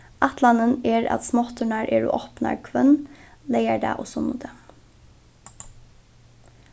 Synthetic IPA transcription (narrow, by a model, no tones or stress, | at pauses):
ʔɑt̪lɑnəneːɹɑ̰t̪smɔt̪əɳɑɾʔeːɹṵːʔɔpnɑ̰ɾkʰʋœnleɪəɖɑ̰ʔoːsɔnud̪ʰə